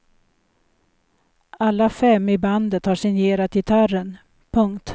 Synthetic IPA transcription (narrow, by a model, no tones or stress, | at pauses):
alːafɛmːɪband̪ət̪haʂɪŋjeːɾat̪ɪt̪ʰarən | pʰɵŋkt̪